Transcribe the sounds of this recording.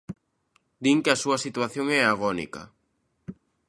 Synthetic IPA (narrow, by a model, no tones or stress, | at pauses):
d̪iŋkeasuɐsit̪waθjoŋɛaɣɔnḭkɐ̰